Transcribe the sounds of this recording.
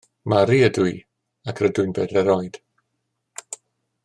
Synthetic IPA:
maɾiədʊi | akʰrədʊjnbɛdɛɾɔjd̥

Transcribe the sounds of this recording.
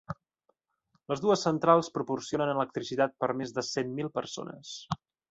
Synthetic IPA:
ləzðuəsːənt̪ɾalˠspɾupursionənələk̚t̪ɾisit̪at̪̚pəɾmezðəsemmilˠpərso̰nə̰s

